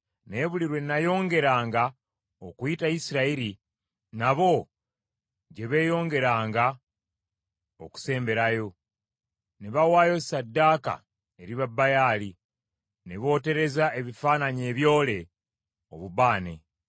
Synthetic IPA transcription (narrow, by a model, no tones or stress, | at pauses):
ne̞ːβuliɾwe̞nːajo̞ːŋɡe̞ɾaːŋɡa | okujitaisiɾaiɾi | naβo̞ | ɟe̞βe̞ːjo̞ːŋɡe̞ɾaːŋɡa | o̰ku̥se̞ːmbe̞ɾajo̞ | neβawaːjo̞sadːaːka̰ | e̞ɾiβabːajaːli | neβo̞ːte̞ɾe̞zaeβifaːnaɲe̞ːβjo̞ːle̞ | o̰βuβaːne̞